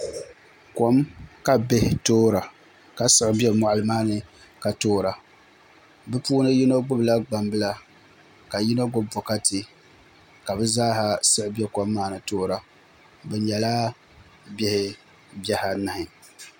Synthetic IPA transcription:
ko˦mka˨be˦hɪ˨toː˦ɾa˨ | ka˨sɨ˦ʔbɛ˦˨mʊ˨ʔa˨lɨ˨maː˦nɨ˨ | ka˨toː˦ɾa˨ | bɛ˦puː˦nɨ˦ji˦no˦ɡ͡bʊ˦bla˦ɡ͡ba˨mbɨ˦la˦ | ka˨ji˦no˦ɡʊ˦bb͡vɔ˨ka˦tɪ˦ | ka˨bɛ˦zaː˦ɦa˨sɨ˦ʔbɛ˦kɔ˨mːaː˦˨nɨ˨toː˦ɾa˨ | bɛ˨ɲɛ˨la˦ | bɛ˦hɪ˨ | bɛ˦ha˨na˨hɪ˨

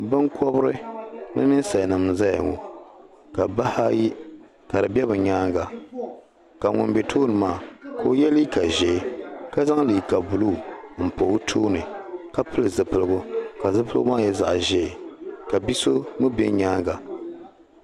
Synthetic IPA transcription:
bɨ˦ŋkɔ˦bɾɨ˦nɨ̰˦mɨ˦n˦sa˨jnɨ˨m˨za˦ja˨ŋo̰˨ | ka˨ba˦ha˦ji˦ | ka˨ɾɨ˨bʲɛ˦bɨ˨ɲaː˦ŋɡa˨ | ka˨ŋʊ̰˨nbe˨tʰoː˦nɨ˨maː˦˨kʰoː˦jɛ˦li˦ka˨ʒɛ˨˦ka˦za˦ŋ˦lɨ˨ka˨bu˨lu˦˨m̩˨po˨˦tʰoː˦nɨ˨ka˦pɨ˦lɨ˨zɨ˨pɨ˨lɨ˨ɡʊ˦ka˨zɨ˦pɨ˦lʊ˦maː˦jɛ˦za̰˨ʔʒɛ˨ka˨bi˦so˦mɨ˦bḛ˦ɲaː˦ŋɡa˨

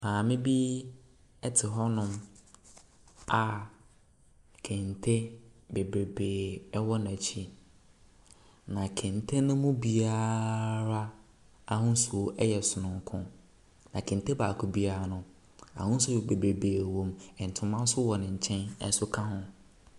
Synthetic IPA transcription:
mãː˨mɪ̃˦bi˦ | ɛ˦tʰɪ˨ɦɔ˦nʊ̃˦m | a˨ | kʰɛ̃˨ntʰe˦be˨bɾe˨beː˨ɛ˦wɔ˦nã˨t͡ɕʰi˦ | nã˨kʰɛ̃˨n˨tʰe˦nʊ̃˦mʊ̃˦bi˨a˦ɾa˦ | a˨hʊ̃˦n˦su˨o˦ʔɛ˦jɛ˨sʊ˨nʊ̃˨ŋ˦kʰʊ̰̃˦ | nã˨kʰɛ̃˨nte˦baː˨kʰʊ˦bi˦a˦˨ɾa˨nʊ̃˦ | a̰˨hʊ̃˦n˦sʊ˦˨be˨bɾe˨beː˨wɔ̃˦mɛ̃˨n̩˨tʰʊ̃˨˦mã˦n˦sʊ˦wɔ˨nɪ̃˨ɲ̩˨t͡ɕʰɛ̃˦nɛ̰˦sʊ˦kʰã˦ɦʊ̃˦

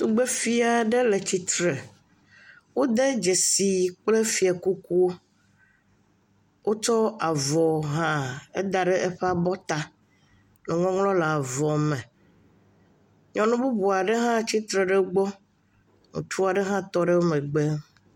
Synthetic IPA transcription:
t̪u˦ɡ͡be˦fi˦a˨ɖe˦le˨t͡ɕi˦t̪ɾe˨ | wo˦d̪e˦d͡ʒe˨si˨k͡ple˦fi˨a˨ku˦ku˦o˦ | wʔo˦t͡ʃɔ˦a˨vɔ˨ɦã˦ḛ˦d̪a˨ɖe˦ʔe˦ɸe˦a˨bɔ˦t̪a˦ | nũ˨ŋɔ̃˦ŋlɔ̃˦la˨vɔ˨mɛ̃˨ | ɲɔ̃˨nũ˦bu˦bu˨a˨ɖe˦ɦã˦t͡ɕi˦t̪ɾe˨ɖe˦ɡ͡bɔ˦ | ŋṵ̃˨t͡ʃu˦a˨ɖe˦ɦã˦t̪ɔ˦ɖe˦wo˦mẽ˨ɡ͡be˦

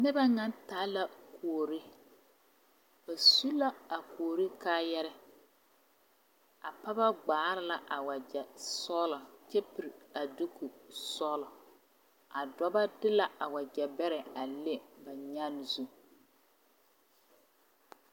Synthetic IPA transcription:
nɪ˦ba˦ŋa˦ntaː˨˦la˦kʰu˨o˨ɾi˦ | ba˨su˦la˦a˨ko˨o˨ɾi˦kaː˦jɛ˦ɾɛ˦ | a˨pa˦ba˦ɡ͡baː˨˦ɾɪ˦la˨ʔa˨wa˨d͡ʒɛ˨sɔː˦lɔ˨t͡ʃɛ˦pi˨ɾa˨du˦ku˨sɔ˦lɔ˨ | a˨dɔ˦ba˦dɪ˦la˦a˨wa˨d͡ʒɛ˨bɛ˦ɾɛ˨a˨le˦ba˨ɲa˦n˨zu˦

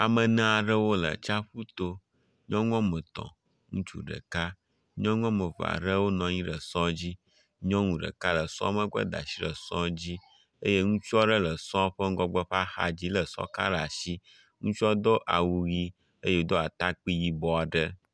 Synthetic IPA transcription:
a˨mə̃˨nã˦a˨ɖə˦wo˦lə̰˨t͡ʃa˦ɸu˦t̪o˦ | ɲɔ̃˦ŋɔ̃˦mə̃˨t̪ɔ̰̃˨ | ŋṵ̃˦t͡ʃṵ˦ɖə̰˨ka˦ | ɲɔ̃˦ŋɔ̃˦mə̃˨ɸa̰˨ɖə˦wo˦nɔ̃˨ɲĩ˦ɖə˨sɔ̃˦d͡ʑi˦ | ɲɔ̃˦ŋũ˨ɖə̰˨ka˦lə˨sɔ̰̃˦mə̃˦ɡʷɛ̰˦d̪a̰˨si˦lə˨sɔ̰̃˦d͡ʑi˦ | e˦je˦ŋũ˦t͡ʃu˦ɔ˦ɖə˦lə˨sɔ̃˦ɸə˦ŋ˦ɡɔ˦ɡ͡bɛ˦ɸa˦xa̰˨d͡ʑi˦lə˨sɔ̰˦ka̰˦ɖa˨si˦ | ŋũ˦t͡ʃɔ˦d̪o˦ʔa˨wu˦ɣi˦ | e˦je˦wo˦d̪o˦a˨t̪a˦k͡pi˦ji˦bɔ˦a˨ɖə˦

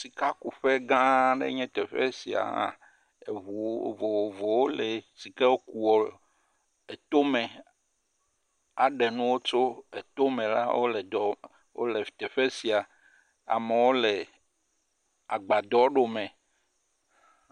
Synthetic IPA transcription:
si˨ka˦ku˨ɸe˦ɡã˦ɖḛ˦ɲɛ̃˦t̪ɛ˨ɸe˦si˨a̰˨ã̰˨ | e˨u˨vo˨vo˨wo˦le˨si˨ke˦wo˦ku˨wɔ˨ | e˨t̪o˦mẽ˨ | a˨ɖe˨nũ˦wo˦t͡ʃo˦e˨t̪o˦mẽ˨la̰˦wʔo̰˦le˨d̪ɔ˨ | wo̰˦le˨t̪e˨ɸe˦si˨a˨ | a̰˨me˨wo˦le˨ | a˨ɡ͡ba˨d̪ɔ˦ɖo˨mɛ̃˨

